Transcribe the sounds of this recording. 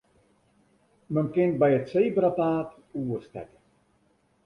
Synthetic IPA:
mənkɪnt̚bɛjətseːbrataːt | uərstɛ̰kə

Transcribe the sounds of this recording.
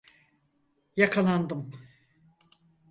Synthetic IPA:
jakʰalˠand̪ɯm

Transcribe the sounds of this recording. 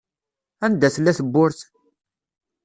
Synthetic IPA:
ænd̪æθlːæθəbːʊɾθ

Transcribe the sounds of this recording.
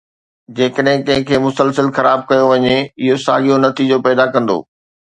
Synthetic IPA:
d͡ʑeːkəɗɦɪ̃kɐ̃ɦɪ̃kʰeːmʊsəlsəlxɐɾaːb̚kɐjoʋɐɲeɪɦosa̰ːɠijonɐt̪ʰid͡ʑopɛːd̪akɐ̃nd̪o̰ː

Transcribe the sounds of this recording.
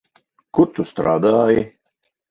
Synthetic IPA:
kut̪ust̪ɾa̰ːd̪aji

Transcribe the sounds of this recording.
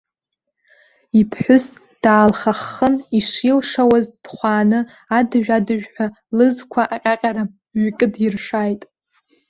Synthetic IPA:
ipʰħʷʊs | d̥aːlχaχːəniʂilʂawazd̥χʷaːnɨ | adɨʒᶣadɨʒᶣħʷᶣa | lɨzkʷʰaʔaqʲʼaqʲʼaɾa | ɥikʼɨdɪrʂaːjtʼ

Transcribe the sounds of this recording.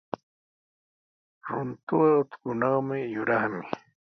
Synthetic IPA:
ɾʊnt̪ʊɑʊt̪kʊnɑχmɪjʊɾɑχmɪ

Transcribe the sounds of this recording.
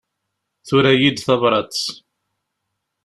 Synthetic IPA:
θʊɾæjid̪θɑvɾˤɑt͡st͡s

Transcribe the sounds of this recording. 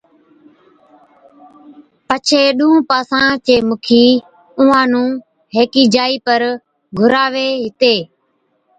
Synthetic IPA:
pət͡ʃʰeːɗʊũːpaːsãːt͡ʃeːmʊkʰiː | ʊãːnũː | ɦeːkiːd͡ʒaːiːpəɾ | ɡʱʊɾaːʋeːɦɪt̪eː

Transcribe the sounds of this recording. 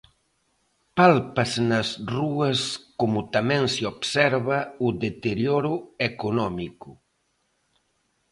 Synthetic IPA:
palpɐznɐsruɐskomʊt̪amɛ̃nseobsɛɾβɐuðet̪eɾjoɾuekunɔmiku

